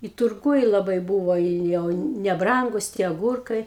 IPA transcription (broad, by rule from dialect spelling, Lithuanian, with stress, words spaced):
ɪ tʊrˈɡʊj lˠɐˈbɐɪ ˈbuːʋoː ɪ ˈjɛʊ nʲɛˈbrɐŋɡʊs tʲiɛ ɐˈɡuːrkɐɪ